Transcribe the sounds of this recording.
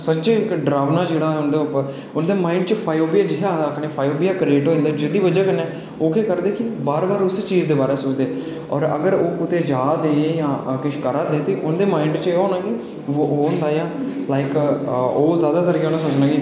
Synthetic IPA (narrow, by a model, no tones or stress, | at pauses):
sət͡ʃeɪkɖɾaːʋnaːd͡ʒeːɽaːɦɛʊnd̪eːʊpːəɾ | ʊnd̪eːmaːɪɳɖt͡ʃəpʰaːjoːbijaːd͡ʒɪɦaəkʰɽeːpʰaːjoːbijaːkɾeːʈɦoːɪ̃nd̪aːd͡ʒɪd̪iːʋəd͡ʒaːkənɛː | oːkeːkəɾd̪eːkɪbaːɾbaːɾʊst͡ʃiːzd̪eːbaːɾeːsʊːt͡ʃd̪eː | ɔːɾə̰ɡəɾoːkʊt̪eːd͡ʒaːd̪eːjãːkɪʃkəɾaːd̪eːt̪eːʔʊnd̪eːmaːɪɳɖt͡ʃəeːɦoːnãːɡiː | ʋoːʔːʊnd̪aːjãː | laːɪkoːzjaːd̪aːt̪əɾkeonãːsoːt͡ʃnãːɡiː